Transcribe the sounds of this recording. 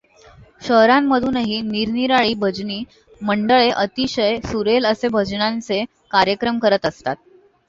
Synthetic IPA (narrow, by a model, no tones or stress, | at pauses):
ɕəɦɾamːəd̪ʱuːnɦiːniɾniɾaɭiːbʱəd͡zniː | məɳɖəɭeʔət̪iɕəjsuɾeləsebʱəd͡znãnt͡se | kaɾjəkɾəmkəɾət̪əst̪at̪̚